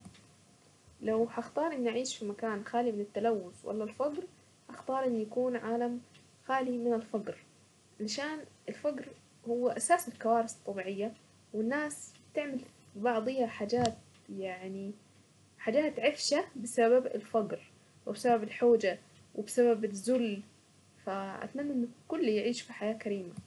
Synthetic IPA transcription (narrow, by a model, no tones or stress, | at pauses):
lawhaxt̪ˤɑːɾˤʔɪnːʔaʕiːʃfimakaːnxaːlimɪnɪt̪ːalawːʊθwʔa̰lːalfɑɡɾ | hɑxt̪ˤɑːɾˤʔɪnːjakuːnʕaːlam | xaːlimɪnɪlfɑɡɾ | ʔalʃaːnɪlfaɡɾ | hʊwːaʔasaːsɪlkawaːɾɨsɨ̥t̪ˤːɑbiːʕɪjːa | wɪnːaːst̪ɪʕmal | bɑʕd̪ˤɨjaħaːd͡ʒaːt̪̚ | jaʕni | ħaːd͡ʒaːt̪ʕɪfʃabɪsababɪ̰lfaɡɾ | wɪbɪsababɪlħoːd͡ʒa | wɪbɪsababɪzːʊl | faʔa̰t̪manːaʔɪnːʊkʊlːjɪʕiːʃfiħajaːkaɾiːma